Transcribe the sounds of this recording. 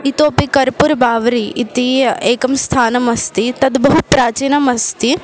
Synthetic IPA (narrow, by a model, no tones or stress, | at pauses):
it̪oːpikɐɾpuɾbaːʋɾiʔit̪ieːkɐmst̪ʰaːnɐmɐst̪it̪ɐd̪bɐɦupɾaːt͡ʃiːnɐmɐst̪i